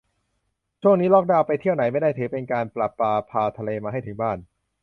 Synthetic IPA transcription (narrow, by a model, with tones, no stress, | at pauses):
t͡ɕʰu˥˩əŋniː˦˥lɔ˦˥k̚daː˧wpa˧jt̪ʰi˥˩əwna˩˦jma˥˩jdaː˥˩jt̪ʰɯː˩˦˥pe˧nkaː˧npla˨˩pːaː˧pʰaː˧t̪ʰa˧leː˧maː˧a˥˩jt̪ʰɯ˩˦ŋbaː˥˩n